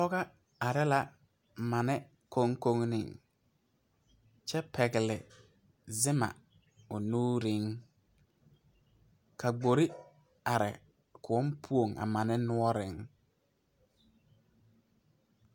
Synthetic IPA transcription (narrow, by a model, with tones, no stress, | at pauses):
lɔ˦ɣa˦ | a˨ɾɛ˦la˦ | ma˨nɛ˦ | ko˦ŋko˦ŋnɪ̰˨ŋ | t͡ʃɛ˦pʰɛ˨ɡɪ˨lɪ˨ | zɪ˦ma̰˨ | ʊ˨nuː˦ɾɪ˦ŋ | ka˨ɡ͡bo˨ɾi˦ | a˨ɾɪ̰˨ | kʰʊ˨ɔ˦mpʰu˦o˨ŋʔa̰˨ma˨nɛ˦nʊ˦ɔ˦ɾɪ˨˦ŋ